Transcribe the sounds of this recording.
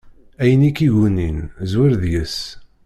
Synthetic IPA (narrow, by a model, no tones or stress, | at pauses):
æjənikːiʝuninzwɪɾðjəs